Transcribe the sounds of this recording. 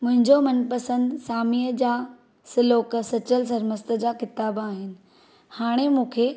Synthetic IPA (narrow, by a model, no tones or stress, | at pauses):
mʊ̃ɦɪ̃ɲd͡ʑomɐnpɐsə̃nd̪saːmiːəd͡ʑaː | sɪloːksɐt͡ɕəls̬ɐɾməst̪ə̆d͡ʑaːkɪt̪aːbaːɦɪnɪ̆ | haːɽ̃emũːkʰe